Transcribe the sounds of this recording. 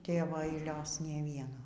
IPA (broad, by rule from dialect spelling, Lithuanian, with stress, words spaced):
ˈtʲeːʋoː ɐɪˈlʲoːs ˈnʲeː ˈʋʲiɛnoː